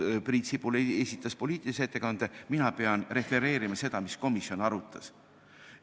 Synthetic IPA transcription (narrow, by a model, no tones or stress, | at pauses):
prit̪sipulesʲit̪ˑːɑspo̞lʲiːt̪ːˑiliset̪ːe̞kɑnd̪̥eminɑpe̞ɑnre̞fe̞ɾe̞ːɾimɑse̞d̪ɑmisko̞misio̞nɑɾut̪ːˑɑs